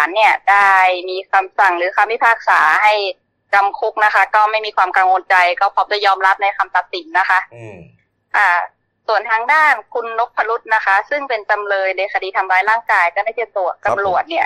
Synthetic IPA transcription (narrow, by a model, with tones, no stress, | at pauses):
aː˩˦nːi˥˩ɐdaː˥˩jmiː˧kʰa˧msa˨˩ŋlɯː˨˩˦kʰaː˧mwi˦˥˩pʰaː˥˩k̚saː˩˦ɦa˥˩j | ka˧mkʰu˦˥k̚na˦˥kʰa˦˥kɔ˥˩ma˥˩jmiː˧kʰwaː˧mka˧ŋwo˧nt͡ɕa˧jkɔ˥˩pʰɔ˦˥daː˥˩jɔː˧mla˦˥p̚na˧jka˧mpa˨˩t̪̚si˩˦nːa˦˥xʰa˦˥ʔ | ʔaː˨˩ | su˨˩ənt̪ʰaː˧ŋdaː˥˩nkʰu˧nːo˦˥pʰːa˧lu˦˥t̪̚na˦˥kʰa˦˥sɯ˥˩ŋpe˧nt͡ɕa˧mlɤː˧jdeː˧˩kʰa˧diː˧t̪ʰa˧mɾaː˧˥jlaː˥˩ŋkaː˧jkɔː˥˩daː˥˩jt͡ɕa˦˥˩t̪u˨˩ək̚t͡ɕa˧mlu˨˩ət̪̚ni˦˥˩ɐ